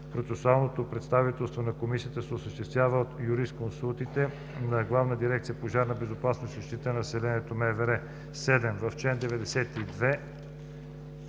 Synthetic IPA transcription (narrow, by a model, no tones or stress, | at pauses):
pɾot̪sɛsualˠnot̪opɾɛt̪st̪avit̪ɛlˠst̪vonɐkomisijət̪əsɛosəʃt̪ɛst̪vʲjavəot̪juɾist̪konsulˠt̪it̪ɛ | nɐɡlˠavnəd̪iɾɛk̚t̪sijəpoʒaɾnɐbɛzopasnosiʃt̪it̪ənsɛlɛniɛt̪omɛvɛɾɛ | sɛd̪ɛmvɐft͡ʃɛnd̪ɛvɛd̪ɛsɛt̪id̪vɛ